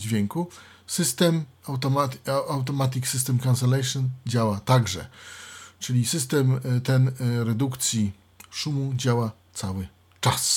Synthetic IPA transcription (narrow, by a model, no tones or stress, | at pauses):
d͡ʑvʲjeŋku | sɘst̪ɛmawt̪ɔmaawt̪̬ɔmat̪̬ʲiksɘst̪ɛmkãnsɛlɛjʂɨnd͡ʑawat̪aɡʐɛ̰ | t͡ʂɘlʲisɘst̪ɛmt̪ɛnɾɛd̪ukt̪sʲji | ʂumud͡ʑawa | t̪sawɘ | t͡ʂas